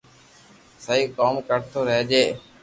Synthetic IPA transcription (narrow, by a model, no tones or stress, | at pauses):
səiːkoːmkəɾt̪ʰoːɾəɦd͡ʒeː